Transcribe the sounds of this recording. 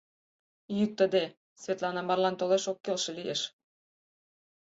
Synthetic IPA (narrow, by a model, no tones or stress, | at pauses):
jyk̚t̪ə̆d̪e | svʲet̪lɑnɑmɑrlɑnt̪oleʃokːelʃĕlijeʃ